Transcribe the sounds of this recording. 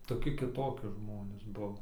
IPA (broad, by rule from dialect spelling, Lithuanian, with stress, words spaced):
toːˈkʲɪ kʲɪˈtoːkʲɪ ˈʒmoːnʲeːs ˈbʊʋoː